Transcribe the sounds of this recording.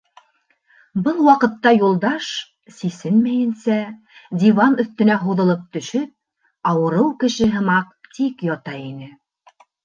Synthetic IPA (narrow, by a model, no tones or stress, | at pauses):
bɤlˠwɑqɤ̆t̪ːɑjulˠd̪ɑʃ | sisɘnmæjɘ̆nsæ | d̪ʲivɑnɵ̆θt̪ɵ̆næɦuðɤ̆lˠɤp̚t̪ɵ̆ʃɵp̚ | ɑwɤ̆ɾɤwkɘ̆ʃɘɦɤ̆mɑqt̪ikjɑt̪ɑjinɘ